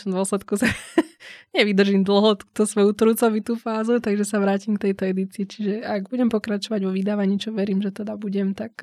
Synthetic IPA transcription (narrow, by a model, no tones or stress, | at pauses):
d̪ʊɔslɛt̪kusa | ɲɛʋid̪r̩ʒiːmd̪l̩ˠɦɔt̪u̥ːt̪ɔsʋɔjut̪ɾut͡sɔʋit̪uːfaːzut̪aɡʒɛsaʋɾaːcimkt̪ɛjt̪ɔɛd̪it͡siit͡ʃiʒɛaɡbuɟɛmpɔkɾat͡ʃɔʋaɟʋɔʋid̪aːʋaɲiːt͡ʃɔʋɛɾiːmʒɛt̪ɛd̪abuɟɛmt̪ak